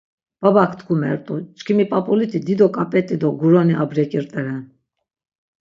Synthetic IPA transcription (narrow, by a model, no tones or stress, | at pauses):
b̥abakʰt̪ɡʰumɛɾt̪ʼut͡ʃʼkʰimipʼapʼɔlit̪ʰid̪id̪ɔkʼapʼɛt̪ʼid̪ɔɡuɾɔniʔabɾɛkʼiɾt̪ʼɛɾɛn